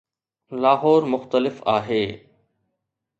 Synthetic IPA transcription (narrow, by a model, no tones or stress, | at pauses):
laːɦɔːɾmʊxt̪əlɪfaːɦeː